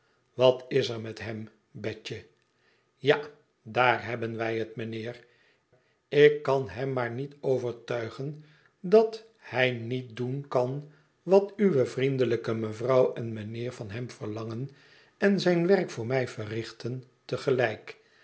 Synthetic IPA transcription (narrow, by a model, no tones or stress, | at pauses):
ʋɑtɪzəɹmɛtɦɛm | bɛt͡ʃə | ja | daːrɦɛbənʋɛjɦətmənɪːr | ɪkːɑnɦɛmːaːɹnitowvəɹtœɥχən | dɑt | hɛjnit̚dunkɑn | ʋɑtyʋəvrindələkəməvrɑwɛnmənɪːɹvɑnɦɛmvəʁlɑŋən | ɛnzɛjnʋɛrkfʊːɹmɛjvərɪχtəntəχəlɛjk